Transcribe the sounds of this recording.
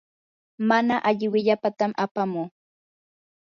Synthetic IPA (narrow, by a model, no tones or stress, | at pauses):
manaʔaʎɪwɪʎapat̪amʔapamuː